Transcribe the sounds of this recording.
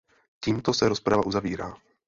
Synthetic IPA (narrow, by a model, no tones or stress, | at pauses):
ciːmt̪o̞sɛɾo̞spɾavaʔuzaviːɾa̰ː